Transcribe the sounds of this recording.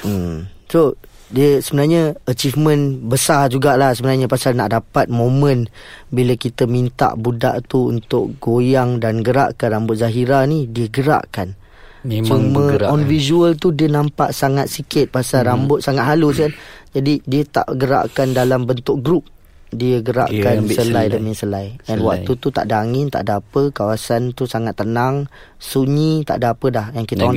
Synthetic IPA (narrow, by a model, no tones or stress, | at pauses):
əmso | diəsəbənaɲaət͡ʃifmə̃nbəsad͡ʒuɡaʔlahsəbənaɲapasalna̰ʔdapat̪̚mõmə̃nbiləkit̪əmĩnt̪a̰ʔbuda̰ʔt̪uṵnt̪ʊʔɡojaŋdanɡəɾa̰ʔkanrambʊt̪̚zaɦiɾanidiəɡəɾa̰ʔkan | sɔməɔnvizuəlt̪̬udiənampa̰ʔsaŋat̪̚sikɪt̪̚baasaɾambʊt̪̚saŋat̪̚ɦaluskand͡ʒadidiət̪a̰ʔɡəɾa̰ʔkandalambənt̪ʊk̚ɡɾup̚ | diəɡəɾa̰ʔkkansəlajdəmĩsəlajɛnwa̰k̚t̪ut̪ut̪a̰ʔdaːŋɪnt̪a̰ʔdapəkawasant̪usaŋat̪ːənaŋ | suɲĩt̪a̰ʔdaapədahjaŋkit̪an